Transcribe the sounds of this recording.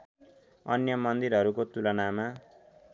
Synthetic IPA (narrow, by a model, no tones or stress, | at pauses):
ʌ̰njʌmʌnd̪iɾɦʌɾukot̪ulʌnama